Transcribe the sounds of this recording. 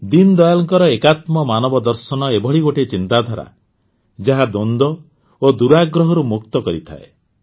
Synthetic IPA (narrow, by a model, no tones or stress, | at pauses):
d̪ind̪ɔjalɔŋkɔɾɔekat̪mɔmanɔbɔd̪ɔɾsɔnɔebʱɔɭiɡoʈet͡ʃint̪ad̪ʱaɾa̰ | d͡ʒaɦad̪ond̪ɔ | od̪uɾaɡɾɔɦɔɾumukt̪ɔkɔɾit̪ʰa̰ḛ